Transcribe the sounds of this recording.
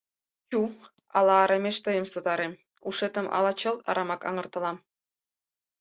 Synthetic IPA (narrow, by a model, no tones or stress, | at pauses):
t͡ɕu | ɑ̰lˠɑːɾɑmʲeʃt̪ɤ̆jə̆msod̪ɑɾem | uʂet̪ə̆mʔɑ̰lˠɑt͡ɕɤ̆lˠɑ̰ɾʔɑmɑkɑ̰ŋɤ̆rt̪ɤ̆lˠɑm